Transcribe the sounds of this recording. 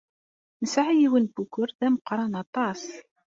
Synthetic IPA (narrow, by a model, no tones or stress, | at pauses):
nəsʕijiwənbukːʊɾðæməqːɾˤɑnɑt̪ˤɑs